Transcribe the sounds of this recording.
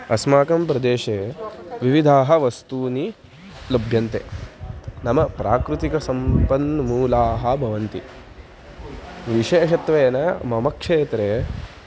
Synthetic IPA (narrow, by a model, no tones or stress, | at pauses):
ɐsmaːkɐmpɾɐd̪eːʃeːʋiʋid̪ʱaːɦɐʋɐst̪uːni | lɐbʱjɐnt̪e | nɐmɐpɾaːkɾut̪ikɐsɐmpɐnɐmuːlaːɦɐbʱɐʋɐnt̪ḭ | ʋiʃeːʃɐt̪ʋeːnɐmɐmɐkʂeːt̪ɾe